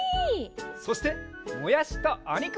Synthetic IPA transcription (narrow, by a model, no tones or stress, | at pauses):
so̞ɕi̥t̪e̞ | mojaɕi̥t̪oaɲʲik